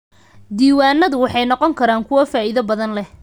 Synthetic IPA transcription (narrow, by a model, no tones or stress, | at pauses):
d̪iːwaːnːɐðʊwɑħɑjnɔqɔŋkʰɐɾaːŋkʰʊwɐfaːʔiðɐbɐðɐnlɛ